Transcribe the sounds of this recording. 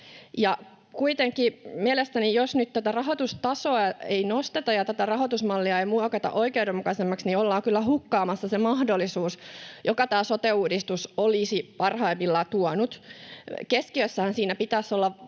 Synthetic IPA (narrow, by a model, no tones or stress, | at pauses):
jɑ | kuit̪eŋkimielest̪ænijosnyt̪t̪æt̪ærɑɦot̪ust̪ɑsoɑeinost̪et̪ɑjɑt̪æt̪ærɑɦot̪usmɑlːiɑeimuokɑt̪ɑ̰ʔoikeudemukɑsemːɑksniolːɑːkylːæhukːɑːmɑsːɑsemɑhdolːisuːsjokɑt̪æːsot̪euːdist̪usolisipɑrhɑimːilːɑt̪uɔnut̪ | keskiøsːæhænsiːnæpit̪æsːolːɑ